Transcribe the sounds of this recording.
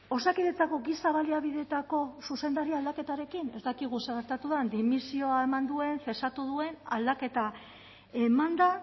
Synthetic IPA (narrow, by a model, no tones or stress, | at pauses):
o̞sakiðet͡sako̞ɡisaβaliaβiðe̞t̪ako̞suse̞nd̪aɾiald̪ake̞t̪aɾe̞kine̞zd̪akiɣ̞useɣeɾt̪at̪uðand̪imisio̞ae̞mand̪ue̞ɱfe̞sat̪uðue̞nald̪ake̞t̪a | e̞mand̪a